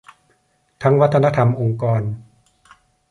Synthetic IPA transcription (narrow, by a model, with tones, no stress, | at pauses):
t̪ʰa˦˥ŋwa˦˥t̪ʰːna˦˧˥t̪ʰa˧mʔo˧ŋkɔː˧n